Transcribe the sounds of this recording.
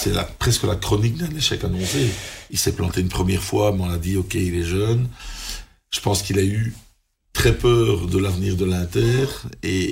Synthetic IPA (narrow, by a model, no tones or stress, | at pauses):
sɛla̰pχɛskəlakχɔnik̚d̪ɛ̃neʃɛkanɔ̃seilsɛplɑ̃t̪eynpχəmjɛʁfwamɛɔ̃lad̪iokʲeilɛʒœn | ʒ̥ə̥pɑ̃skilay | t̪χɛpœːʁd̪əlavniːʁd̪əlɛ̃t̪ɛːʁe